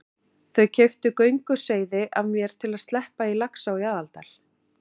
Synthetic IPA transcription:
θœɥcʰɛft̪ʏkœɥŋkʏseːjðɪʔavmjɛɾ̥t̪ʰɪlaðst̪lɛhpailaksawjaðalt̪al̥

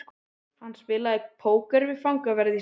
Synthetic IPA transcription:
hanːsvɪːlaɛpʰoːwkœɾvɪfawŋkavɛɾði

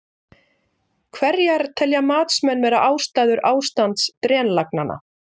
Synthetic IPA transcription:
kʰvɛɾjaɾt̪ʰɛljamaːt̪smɛnːvɛːɾaʔaːwst̪aːjðʏɾʔaːwst̪ant̪st̪ɾɛːnlak̚nana̰

